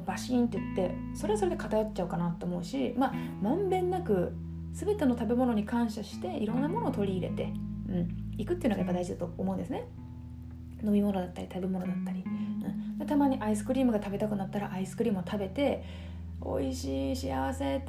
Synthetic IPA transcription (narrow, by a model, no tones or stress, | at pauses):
baɕĩːnt̪ejɯt̪ːe̞ | so̞ɾeaso̞ɾe̞d̪e̞kat̪ajott͡ɕːaɯkanat̪ːoːmo̞ɯ̟ɕima | mãmbẽ̞nːakɯ̟ | sɨbe̞t̪e̞no̞t̪abe̞mo̞no̞ɲ̟ikãɰ̃ɕaɕi̥t̪e̞iɾõ̞nːamo̞noːt̪o̞ɾʲiːɾe̞̰t̪e̞ɯ̟̃ɴikɯ̟t̪ːeiɯnoajapːad̪aiʑid̪at̪o̞ːmõ̞nd̪e̞sɨne | no̞mʲimo̞no̞d̪at̪ːaɾʲit̪abe̞mo̞no̞d̪at̪ːaɾʲiɯ̟̃ɴd̪et̪amaːɲ̟iʔaisɨ̥kɯ̟ɾʲiːmɯ̟ɡat̪abe̞t̪akɯ̟nat̪ːaɾa̰ʔaisɨ̥kɯ̟ɾʲiːmɯ̟ot̪ʰabe̞t̪e̞ | o̞̰iɕiːɕia̰β̞ase̞